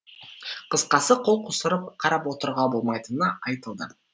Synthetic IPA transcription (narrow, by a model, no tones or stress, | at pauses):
qʰəsqɑsəqʰo̞lˠqʰosəɾəp̚qʰɑɾɑpwo̞t̪əɾʁɑbo̞lˠmɑjt̪ənəɑjt̪əlˠd̪ə